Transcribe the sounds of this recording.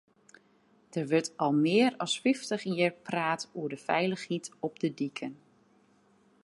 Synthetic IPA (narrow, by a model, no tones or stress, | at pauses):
d̥ərʋətɑlˠmɪːərɔsfɪftəχjɪːɹpraːtuədəfɛjləχhitɔb̚dədikʰən